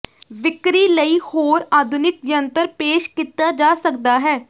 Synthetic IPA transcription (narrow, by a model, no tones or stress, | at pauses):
ʋɪkɾiːləiːhoːɾaːd̪ʱʊnɪk̚jənt̪əɾpeːʃkiːt̪aːd͡ʒaːsək̚d̪aːɦɛː